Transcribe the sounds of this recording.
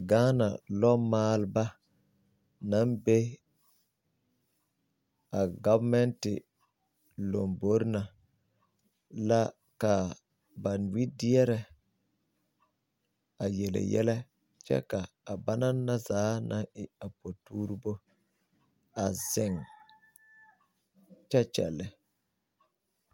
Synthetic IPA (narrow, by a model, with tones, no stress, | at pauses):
ɡa˦na̰˨lɔ˦maː˦lba˦ | na˦nbe˦ | a˨ɡa˦vmɛ˦ntɪ˨ | lo˨mbo˦ɾna˨ | la˦ | ka˨ | ba˨nwi˦di˦ɛ˦ɾɛ˨ | a˨jɛ˨lɪ̰˨jɛ̰˦lɛ˦ | t͡ʃɛ̰˦kaː˨ba˦na˦nːa˦zaː˨˦nʔa˦ŋɪ˨a˨po˨tuː˦ɾu˦bo˦ | a˨z̥ɪ˦˨ŋ | t͡ʃɛ˦t͡ʃɛ̰˨lːɪ˦